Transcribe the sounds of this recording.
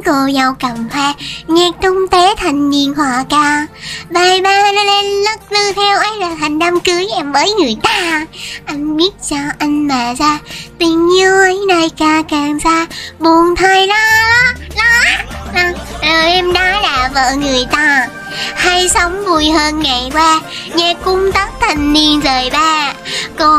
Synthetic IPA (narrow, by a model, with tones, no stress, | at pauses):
ŋko˧˩za˨˩wka˨˩mfaː˧˩ɲɛ˧˩k̚t̪ʊ˧ŋ͡mt̪e˨˦t̪ʰa˨˩jŋ̟ɲi˨˩ənhwaː˨˩kaː˨˩vaː˧˩jɓaː˧la˨˧˦le˧nlə˦˥k̚lɨ˧t̪ʰɛ˧wʔə˨˦jvaː˨˩t̪ʰa˨˩jŋ̟ɗa˧mkɨ˨˦jʔɛ˧mvəː˨˦jŋɨ˨˩əjt̪aː˧ʔa˧jŋ̟ɓi˦˥ət̚t͡ɕɔ˧ʔa˧jŋ̟maː˨˩zaː˧t̪i˧˩ɲi˧əwʔə˨˦jna˨˩jkaː˨˩kaː˨˩ŋzaː˧ɓu˨˩ənt̪ʰa˧˩jlɔ˨˦lɔ˧˦ | lɔ˨˧˦l | zo˨˩jʔɛ˧mɗaː˨˦laː˨˩və̰ː˧˨ŋɨ˨˩əjt̪aː˧˩ | ha˧jsə˨˦wŋ͡mmu˨˩jhəː˧nŋa˧˨˩jkwaː˧ | ɲɛ˧kʊ˧ŋ͡mt̪aː˦˥k̚t̪ʰa˨˩jŋ̟ni˧ənzəː˨˩jɓaː˧kʊ˧˩